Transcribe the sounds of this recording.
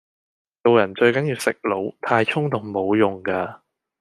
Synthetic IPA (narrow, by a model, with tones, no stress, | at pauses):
t̪o˧wjɐ˨˩nt͡ʃɵ˧ɥkɐ˨˦njiː˧wsɪ˨k̚lo˨˧˥wt̪ʰaː˧jt͡ʃt͡sʰʊ˥ŋt̪ʊ˨ŋmo˨˧wjʊ˨ŋkaː˧